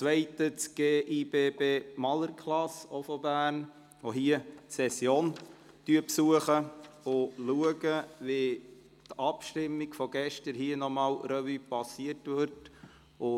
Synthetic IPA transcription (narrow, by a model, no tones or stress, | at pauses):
t͡sʋɛɪtət͡sɡ̥eːʔib̥eːbeːmɑləɾkʰlɑsofɔbæːn | ʋoɦiətsɛsjoːn | tyəpsuəχəʊluəɡəʋe | tɑpʃtɪmːiɡ̥fɔɡ̥ɛʃtəɾɦiənɔmɑːlɾœvypɑsiətʋɪɾt | ʊ